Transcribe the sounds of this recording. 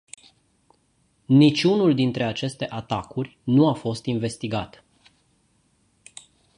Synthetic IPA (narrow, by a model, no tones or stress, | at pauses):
nit͡ʃʲunuld̪int̪ɾe̞at͡ʃe̞st̪e̞ʔat̪akurʲnuafo̞st̪inve̞st̪iɡat̪